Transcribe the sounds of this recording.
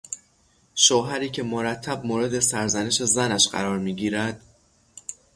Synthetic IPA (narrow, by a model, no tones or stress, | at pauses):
ʃoːɦæɾiːcʰe̞moɾæt̪ʰːæb̚moɾe̞d̪e̞sæɾzæne̞ʃe̞zænæʃɢæ̰ɾɒːɾmiːɡiːɾæd̪̥